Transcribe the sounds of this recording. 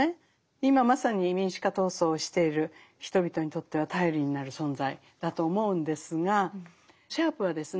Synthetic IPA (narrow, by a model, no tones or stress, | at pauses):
e | imamasaɲ̟imʲĩɰ̃ɕi̥kat̪o̞ːso̞ːɕi̥t̪e̞iɾɯ̟ | çi̥t̪o̞bʲit̪o̞ɲ̟it̪o̞t̪ːe̞β̞at̪aiɾʲiɲ̟inaɾɯ̟sõ̞nzai | d̪̥at̪o̞ːmo̞ɯ̟̃nd̪e̞sɨɡa | ɕaːpɯ̟βad̪e̞sɨ